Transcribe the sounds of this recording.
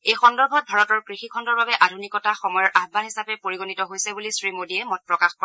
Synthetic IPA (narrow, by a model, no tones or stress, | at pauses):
ejxɔndɔɹbʱɔt̚bʱaɹɔtɔɹkɹixikʰɔndɔɹbabɛʔadʱunikɔtaxɔmɔjɔɹʔaxbanɦisapɛpoɹiɡonitɔɦojsɛbulisɹimodiɛmɔt̚pɹɔkaxpa